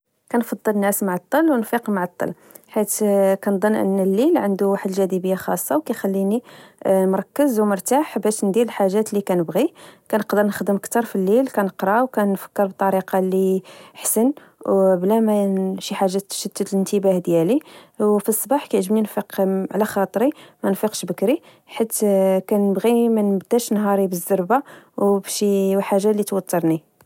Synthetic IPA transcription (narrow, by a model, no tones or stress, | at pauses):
kænfɑd̪ˤːəlnæsmaʕɑt̪ˤːəlwnfiqmaʕɑt̪ˤːɑ̰l | ħit̪kænd̪ˤɑnːʔə̰nːəlːilʕənd̪uwaħd̪ʒæd̪ibəjːaxɑ̰sˤːɑwkæjxælːinimɾˤɑkːəzwmʊɾt̪aħbæʃnd̪iɾəlħaʒːæt̪likænəbɣikænəqd̪əɾnəxd̪əmʔəkt̪ɑɾˤfilːilkænəqɾˤɑwkænfə̥kːəɾbt̪ˤːɑɾiqɑliħsən | wblæmæʃiħaʒːæt̪ːʃəd̪ːət̪lənt̪əbæhd̪jæliwfisˤːbɑħkæjʕʒəmninfiqʕlæxɑt̪ˤɾimænfiqʃbəkɾi | ħit̪ːkænəbɣimænbd̪æʃnɦɑɾˤibəzːɑɾˤbawbʃiwħaʒːælit̪wɑt̪ːɑɾˤni